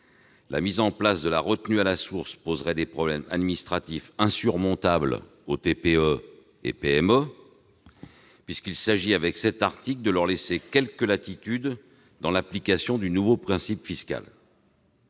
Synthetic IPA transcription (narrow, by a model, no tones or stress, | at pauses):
la̰mizɑ̃plasd̪əlaʁət̪nyalasuʁspozʁɛd̪epχɔblɛma̰d̪minist̪χat̪ifɛ̃syʁmɔ̃t̪abl | ot̪epeø | ḛpeɛmø | pɥiskilsaʒiavɛksɛt̪aʁt̪ikld̪əlœʁlesekʲɛlkəlat̪it̪yd̪ | d̪ɑ̃laplikasjɔ̃d̪ynuvopχɛ̃sipfiska̰l